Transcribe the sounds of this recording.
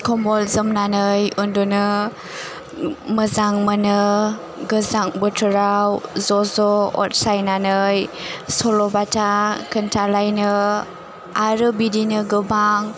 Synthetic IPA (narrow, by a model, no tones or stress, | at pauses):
kɔmɔlzəmnanəjundunə | məzaŋmənə | ɡəzaŋ̚bətʰəɾawzozɔɔ̰t̚sajnanəjsolɔbatakəntalajnə | ʔaɾəbidinəɡəbaŋ